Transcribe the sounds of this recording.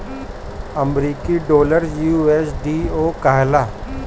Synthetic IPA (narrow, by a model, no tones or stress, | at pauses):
əmɾiːkiɖoːləɾjuːeːsɖiːoːkaːɦlaː